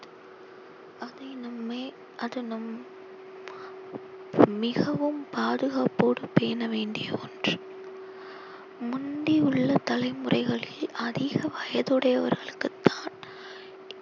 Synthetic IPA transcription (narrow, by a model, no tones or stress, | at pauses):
ɐðɐɪnɐmːeː | ʔɐðɯnɐm | mɪɣɐʋɯmpaːðɯɣaːpoːɽɯpeːnɐʋeːɳɖɪjɐɔndrɯ | mʊnɖiʊɭːɐt̪ɐlɐɪmɯrɐɪɣɐɭɪlɐðɪɣɐʋɐjɐðɯɽɐjɐʋɐ̰ɾɣɐɭɯkːɯt̪ːaːn